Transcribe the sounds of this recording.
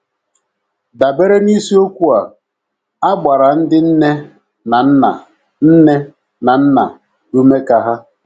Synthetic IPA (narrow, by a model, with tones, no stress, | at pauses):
da˨be˦ɾe˦ni˦si˦o˦kʷu˦a˨ | a˦ɡ͡ba˨ɾa˨n̩˦dɪ˦n̩˦ne˦ | na˨n̩˦na˨ | n̩˦ne˦ | na˨n̩˦na˨ | u˦me˦ka˨ɦa˦